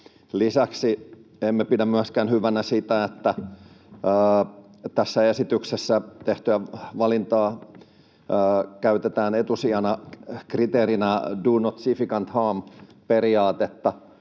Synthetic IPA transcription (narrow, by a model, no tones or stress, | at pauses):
lisæksiemːepidæmyæskænhyʋænæsit̪æet̪ːæ | əː | t̪æsːæesit̪yksesːæt̪eht̪yæʋɑlint̪ɑː | kæyt̪et̪æːnet̪usiɑnɑkrit̪eːɾinæduːnot̪sifikɑnt̪hɑːmperiɑːt̪et̪ːɑ